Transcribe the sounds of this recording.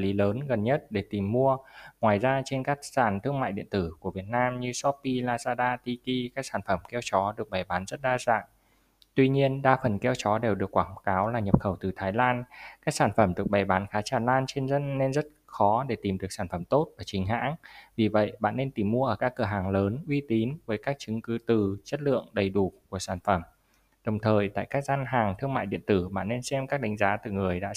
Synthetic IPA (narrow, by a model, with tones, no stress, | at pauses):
li˨˦ləː˨˦nɣə˨˩nɲə˦˥t̚ɗe˧˩t̪i˨˩mːu˧əŋwaː˨˩jzaː˧t͡ɕe˧nkaː˦˥k̚zaː˧˩nt̪ʰɨ˧əŋma̰ː˧˨jɗḭ˧˨ənt̪ɨ˧˩ku˧˩əvi˨˩ət̚naː˧mɲɨ˧sɔ˦˥p̚ːi˧laː˧zaː˧ɗaː˧t̪i˧ki˧kaː˦˥k̚saː˧˩nfə˧˩mkɛ˧wt͡ɕɔ˨˦ɗɨ˨˩ək̚ɓa˨˩jɓaː˨˦nzə˦˥t̚ɗaː˧za̰ː˧˨ŋ | t̪wi˧ɲi˧ənɗaː˧fə˨˩nkɛ˧wt͡ɕɔ˨˦ɗe˨˩wɗɨ˨˩əkːwaː˧˩ŋkaː˨˦wlaː˨˩ɲə˨˩p̚xə˧˩wt̪ɨ˨˩t̪ʰaː˨˦jlaː˧nkaː˦˥k̚saː˧˩nfə˧˩mɗɨ˨˩ək̚ɓa˨˩jɓaː˨˦nxaː˨˦t͡ɕaː˧˩nlaː˧nt͡ɕe˧nzə˧˥nːe˧nzə˦˥t̚xɔ˨˦ɗe˧˩t̪i˨˩mɗɨ˨˩ək̚saː˧˩nfə˧˩mt̪o˦˥t̚vaː˨˩t͡ɕï˨˦ŋ̟ɦa̰ː˧˥ŋvi˨˩və̰˧˨jɓa̰ː˧˨nːe˧nt̪i˧˩mːu˧əʔəː˧˩kaː˦˥kːəː˧˩ɦaː˨˩ŋləː˨˦nʔwi˧t̪i˨˦nvəː˨˦jkaː˦˥k̚t͡ɕɨ˨˦ŋkɨ˨˦t̪ɨ˨˧˩t͡ɕə˦˥t̚lɨ̰˧˨əŋɗə˨˩jɗu˧˩ku˧˩əsaː˧˩nfə˧˩m | ɗə˨˩wŋ͡mt̪ʰəː˨˩jt̪a̰ː˧˨jkaː˦˥k̚zaː˧nɦaː˨˩ŋt̪ʰɨ˧əŋma̰ː˧˨jɗḭ˧˨ənt̪ɨ˧˩ɓa̰ː˧˨nːe˧nsɛ˧mkaː˦˥k̚ɗa˨˦ŋ̟zaː˨˦t̪ɨ˨˩ŋɨ˨˩əjɗa̰ː˧˥